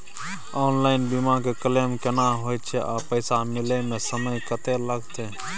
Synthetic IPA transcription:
ɔːnlaːɪnbimakekəlemkenaɦoːjt̪t͡ʃʰɛʔaːpəɪsamɪlemẽsəməjkət̪eləɡt̪e

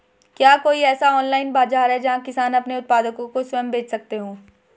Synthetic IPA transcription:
kjaːkoːiɛːsaɔːnlaːɪnbaːzaːɾɦɛd͡ʒɐɦãkɪsaːnɐpneʊt̪̚paːd̪əkõkoswɛːmbeːt͡ʃʰsɐk̚t̪eɦõː

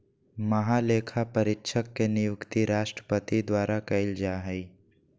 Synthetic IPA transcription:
mɐɦaleːkʰapəɾɪtːʃʰəkːenɪjʊkt̪iɾaːʃʈɾəpət̪id̪waːɾakɐɪld͡ʒaɦɛi

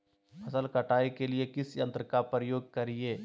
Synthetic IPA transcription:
ɐsəlkɐʈaːikeliekɪsjɐ̃nt̪ɾəkapɾəjoːɡ̚kɐɾieː

